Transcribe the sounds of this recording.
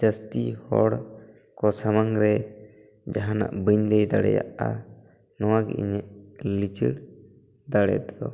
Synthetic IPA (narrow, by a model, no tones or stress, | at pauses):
d͡ʒəst̪ihɔ̰ɽ | kɔsamaŋɾɛ | d͡ʒaɦana̰ʔbəɲlɛjd̪aɽɛ̰ja̰ʔa̰ | nɔwaɡɛ̰ʔḭɲɛʔlit͡ʃə̰ɽ | d̪aɽɛ̰t̪d̪ɔ